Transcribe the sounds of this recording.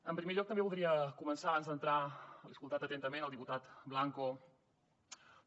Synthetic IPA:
əmpɾimeʎɔk̚t̪əmbeβulˠd̪ɾiəkumənsaβanzd̪ənt̪ɾaliəskulˠt̪at̪ət̪ɛnt̪əmenəlˠd̪iput̪at̪blaŋko

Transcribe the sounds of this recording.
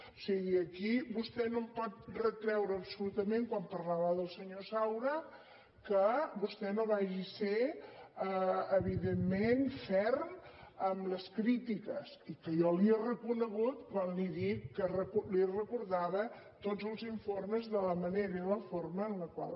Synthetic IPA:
osiɣiəkibust̪ɛnompɔt̪̚rət̪ɾɛwɾəːpsulut̪əmẽŋkwampərlaβəðəlˠsəɲosawɾə | kəbust̪ɛnoβaʒise | əəβiðemːenfɛrməmləskɾit̪ikəsikəjɔliərəkunəɣut̪kwanliðikːərəkulirəkuɾðaβə | t̪ozəlˠziɱforməzðələməneɾəiləforməːnləkwa̰lˠ

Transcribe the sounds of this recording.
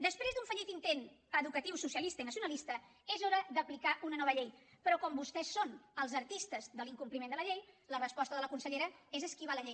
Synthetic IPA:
d̪əspɾezd̪uɱfəʎit̪int̪en | əðukət̪iwsusiəlist̪əinəsiunəlist̪ə | ezoɾəðəplikaʔunənɔβ̞əʎej | pɾɔkɔmbust̪ɛsːonəlˠzəɾt̪ist̪əzðəliŋkumplimenələʎejlərəspɔst̪əðələkunsəʎeɾəezəskiβaləʎej

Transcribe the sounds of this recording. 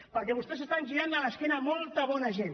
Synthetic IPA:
pəɐɾkeβust̪esest̪anʒiɾand̪alaskenamolˠt̪aβɔnaʒen

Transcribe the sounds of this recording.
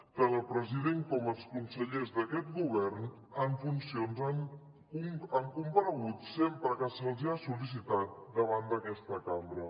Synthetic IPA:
t̪anəlˠpɾəziðeŋkɔməlˠskunsəʎezðəkɛt̪̚ɡuβɛrn | əɱfunsionzəŋ | uəŋkumpənəɣut̪sempɾəkəsəlˠziasulis̬it̪at̪̚d̪əβand̪əkɛst̪əkambɾə

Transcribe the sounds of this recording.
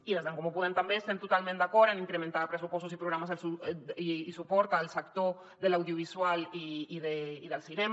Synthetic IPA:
ilezðaŋkomopoðent̪ambeːst̪ent̪ot̪almẽnt̪akoɾanĩŋkɾemẽnt̪aðapɾesupost̪osipɾoɣɾamaselsuiːsupoɾt̪aːlsakt̪o | ðelawðjoβ̞iswaliiðeiðelsinem

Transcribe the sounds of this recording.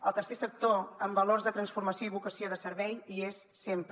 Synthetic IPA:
əlˠt̪ərsesək̚t̪oəmbəlorzðət̪ɾənsfuɾməsioiβukəsioðəsəɾβɛjiesːemp

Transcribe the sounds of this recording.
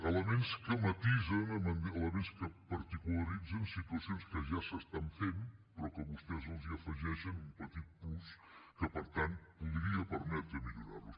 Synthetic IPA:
ələmenskəmət̪izənənənələmenskəpəɾt̪ikuləɾid͡zənsit̪uəsionskəʒasəst̪aɱfenpɾɔkəβust̪ɛzəlˠziəfəʒɛʃənumpət̪it̪̚pus | kəpəɾt̪ant̪̚puðɾiəpəɾmɛt̪ɾəmiʎuɾa̰rlus

